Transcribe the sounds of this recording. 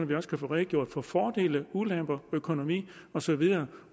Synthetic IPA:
nɐʋiɒ̽skʰæfoːʁɛɡ̥jo̝ɐ̰d̥fɒ̽fɒːd̥e̝̰ːləulem̰b̥ɐøkʰo̝no̝mḭːɒ̽sɒ̽ʋiðˠɐː

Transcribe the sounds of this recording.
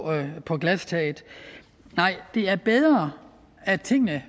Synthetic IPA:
pʰɒ̽ɡ̥læst͡sʰɛɪð̩ˠ | nɑ̈ɪ̰d̥e̝æɐb̥eð̞ˠʁɐ | æt͡sʰe̝ŋ̰nə

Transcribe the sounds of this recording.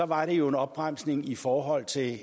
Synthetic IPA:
ɒ̽ʋɑ̈ɾejo̝e̝nɒ̽b̥ʁam̰sne̝ŋifɒːɦɒ̽l̰t͡sʰe̝

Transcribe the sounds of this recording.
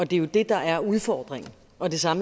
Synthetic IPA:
ɒ̽d̥e̝jo̝d̥e̝d̥ɑ̈ʔæɐuðˠfɒ̰ːd̥ʁeŋn̩ | ɒ̽d̥e̝sɑ̈m

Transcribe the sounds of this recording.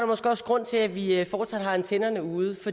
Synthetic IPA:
ɾ̥ɑmɒ̽sɡ̥ɒ̽sɡ̥ʁɔ̽n̰t͡sʰe̝læʋiəfɒːd̥sæd̥ɦɑ̈ent͡sʰenɐnəuːð̞̩ˠfɒ̥̽

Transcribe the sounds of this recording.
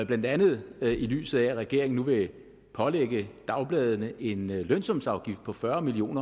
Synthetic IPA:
b̥lænd̥ænð̞̩ˠily̰ːsð̩ˠææʁɛɡ̥e̝ɐ̰e̝ŋn̩nuʋe̝ | pʰɒ̽leɡ̥əd̥ɑ̈ʊb̥lɛːð̞ˠənəʔe̝nlønsɒ̽msɑ̈ʊɡ̥ifd̥̚pʰɒ̽fɶɐmilio̝̰ːnɐ

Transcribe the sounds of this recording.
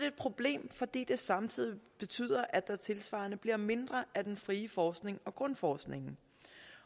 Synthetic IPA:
eːd̥̚pʰʁo̝b̥le̝̰ːmfɒ̽d̥ḭːd̥e̝sɑ̈mt͡sʰið̰ˠib̥e̝t͡sʰy̰ːð̰ˠɐʔæd̥æt͡sʰe̝lsʋɑ̰̈ːnəb̥liɐme̝nd̥ʁɐʔæd̥enfʁiːəfɒːsɡ̥ne̝ŋɒ̽ɡ̥ʁɔ̽nfɒːsɡ̥ne̝ŋn̩

